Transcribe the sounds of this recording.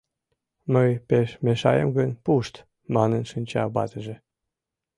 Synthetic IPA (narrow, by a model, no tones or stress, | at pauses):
məjpeʃmeʃɑjəmɡənpuʃt̪ | mɑnənʃənʲt͡ɕɑ̰bɑ̰t̪əʒĕ